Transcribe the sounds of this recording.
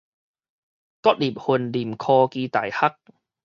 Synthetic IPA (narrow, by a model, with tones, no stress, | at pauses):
kɔ˦˥t̚li˨˩p̚hu˧˩nli˨˩mkʰɔː˧kiː˧t̪a̰˨˩˦jha˦˥k̚